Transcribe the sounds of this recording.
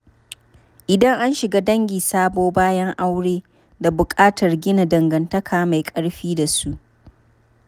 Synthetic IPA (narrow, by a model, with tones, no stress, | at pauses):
ʔɪ˨dɐ˦ŋʔa˦nʃɪ˨ɡaː˦dɐ˦ŋɡʲiː˨saː˦boː˦baː˦jɐ˦ŋʔa˦wɽeː˦ | da˨bʊ˨kʼaː˦tʰɐ˨rɡʲɪ˦na˨dɐ˨ŋɡɐ˨ntɐ˦kʰaː˨ma˨jkʼɐ˦ɽɸiː˦da˨su˦ʔ